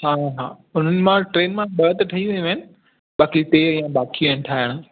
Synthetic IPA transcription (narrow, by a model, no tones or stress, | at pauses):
ɦaːɦa̰ː | ʊn̤ənɪ̆mãʈɾeːnmãɓɐɦət̪ʈʰɐiʋɐũɐɪnɪ̆ | ɓaːkit̪eijãɓaːkinɪʈʰaːɦɪɽ̃̆